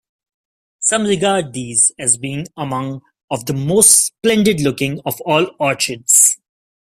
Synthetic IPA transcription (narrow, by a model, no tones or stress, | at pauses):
sʌ̃mɾɪɡaːɖ̚d̪iːzɛzbĩːnəmʌ̃ŋ | ɔʋd̪əmoːsʈsplɛ̃ɳɖɪɖlʊkɪ̃ŋɔfɔːlɔːɾt͡ʃɪɖs